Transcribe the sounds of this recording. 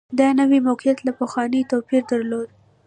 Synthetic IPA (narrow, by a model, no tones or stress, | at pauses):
d̪ɑnəwimawqijat̪lapaxwɑnət̪opiɾd̪aɾlod̪̚